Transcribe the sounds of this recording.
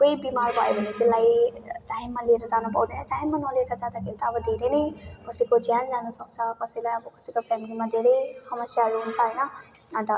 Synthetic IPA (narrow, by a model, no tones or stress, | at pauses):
kojbimarbʱʌjebʱʌnet̪elːajʈajmːalieɾʌd͡zanupʌ̰wd̪ʌjnʌʈajmːanʌlieɾʌd͡zad̪akʰeɾit̪aːbʌd̪ʱeɾenʌjkʌsʌjkod͡zjand͡zanusʌk̚t͡sʰʌkʌsʌjlajʌbʌkʌsʌjkopʰjamilimad̪ʱeɾʌjsʌmʌsjaɾuɦunt͡sʰʌʌjnʌ | ʌnt̪ʌ